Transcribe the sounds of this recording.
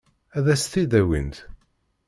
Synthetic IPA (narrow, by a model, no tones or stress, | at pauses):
æðæst̪id̪æwḭnt̪